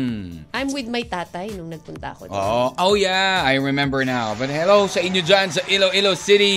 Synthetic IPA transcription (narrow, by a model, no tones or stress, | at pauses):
ʔajmwɪd̪̚mɐjt̪aːt̪ajnʊŋnɐɡ̚pʊnt̪ɐ̰ɐ̰kooʔowjaajɹɪmɛ̃mbəɹnawbɐt̪̚hɛlosɐʔɪ̃njod͡ʒãns̬ɐʔɪloʔɪlosɪɾi